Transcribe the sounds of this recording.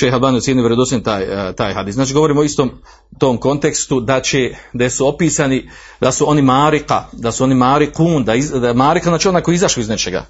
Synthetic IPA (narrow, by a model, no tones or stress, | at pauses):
ʃejɦalˠbaːnijot̪jenioʋeɾed̪osit̪aːjt̪aːjɦad̪iːsaːt͡ʃiɡo̞ʋo̞ɾiːmooist̪o̞ːm | t̪o̞mko̞nt̪e̞kst̪ud̪at͡ʃed̪aesuo̞piːsaːni | d̪asuo̞nimaːɾika̰d̪asuo̞nimaːɾikuːnd̪aimaːɾikanaːt͡ʃeo̞naːko̞jiizaʃliiznet͡ʃe̞ɡa̰